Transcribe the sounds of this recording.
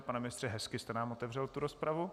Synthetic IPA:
panɛmɪnɪst̪r̥ɛɦɛskɪst̪ɛnaːmo̞t̪ɛvr̝ɛlt̪uɾospɾavu

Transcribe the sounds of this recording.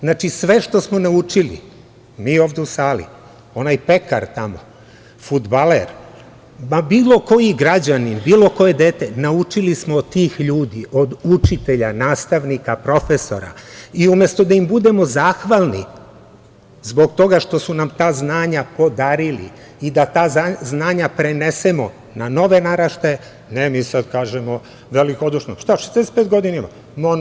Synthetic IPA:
znaːt͡ʃisʋe̞ʃt̪o̞smo̞naut͡ʃilḭ | miːo̞ːʋd̪eusaːlḭ | o̞najpe̞kaɾt̪amo̞̰ | fud̪baleɾ | mabiːlˠo̞ko̞jiɡɾad͡ʑaninbiːlo̞ko̞je̞d̪eːt̪enaut͡ʃilismod̪t̪ːiːxʎuːd̪iʔo̞d̪ut͡ʃit̪e̞ʎanaːst̪aʋnikapɾo̞fe̞so̞̰ɾa̰iumjest̪o̞d̪aimbud̪e̞mo̞zaːxʋalˠni | zbo̞ɡt̪o̞ɡaʃt̪o̞sunamt̪aːznaːɲapo̞d̪aɾilḭ | id̪at̪aːaznaːɲapɾe̞ne̞se̞mo̞ | nano̞ʋe̞naɾaʃt̪e | nemiːsad̪kaːʒemo | ʋe̞liko̞d̪uʃnoʃt̪aʃezd̪esepeːt̪ɡo̞d̪inaima | mon

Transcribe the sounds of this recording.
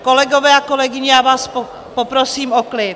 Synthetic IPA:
kolɛɡovɛːakolɛɡɪɲɪjaːvaːspo | popɾosiːmoklɪt

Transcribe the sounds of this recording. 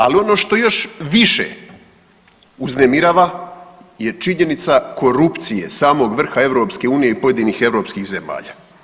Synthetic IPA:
alio̞no̞ːʃt̪o̞jo̞ʃʋiʃḛ | uznemiɾaːʋa | je̞t͡ʃiɲe̞nit̪sako̞ɾupt̪sije̞̰saːmo̞ːɡʋr̩xae̞ʋɾo̞pske̞uːnijeipo̞je̞d̪iːnixe̞ʋɾo̞ːpskixze̞ma̰ːʎa̰ː

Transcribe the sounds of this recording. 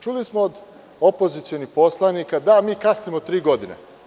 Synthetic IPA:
t͡ʃulismoːd̪ | opo̞zit̪sionixpo̞slˠanikad̪amiːkasnimot̪ɾiːɡo̞d̪inḛ

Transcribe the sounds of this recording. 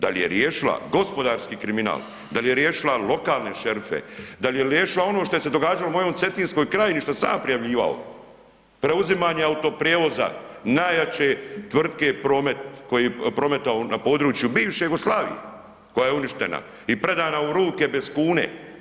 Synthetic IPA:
d̪a̰lje̞̰ɾjeːʃila̰ɡo̞spo̞d̪aːɾskiːkɾimina̰ːl | d̪alje̞ɾjeːʃilalo̞kaːlˠne̞ʃe̞ɾfḛd̪alje̞ɾjeːʃilao̞noʃt̪o̞jese̞d̪o̞ɡaːd͡ʒalomo̞joːmt̪se̞t̪iːnsko̞jkɾaːjeniʃt̪osa̰ːmpɾijaʋʎiːʋa̰o̰ | pɾe̞uzimaːɲeaut̪o̞pɾijeːʋo̞za̰naːjat͡ɕe̞t̪ʋr̩d̪ke̞pɾo̞ːme̞t̪ko̞jiepɾo̞me̞t̪aonapo̞ːd̪ɾuːt͡ʃjubiːʋʃejuɡoslaːʋḭjḛ | ko̞jaje̞uniʃt̪e̞̰na̰ | ipɾe̞d̪aːnauɾuːke̞be̞zkuːnḛ

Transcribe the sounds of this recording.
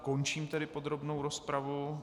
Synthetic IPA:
kont͡ʃiːmt̪ɛɾɪpo̞d̪ɾo̞bnowɾospɾavu

